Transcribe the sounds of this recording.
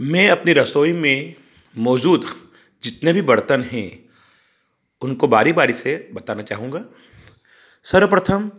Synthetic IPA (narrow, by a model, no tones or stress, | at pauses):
mɛ̃ːɐpniɾɐsoːimẽ | mɔːd͡ʒuːd̪ | d͡ʒɪt̪nebʱibɐɽt̪ənɦɛ̃ | ʊnkobaːɾibaːɾisebɐt̪aːnat͡ʃa̰ːɦũːŋɡaː | sɐɾəpɾət̪ʰəm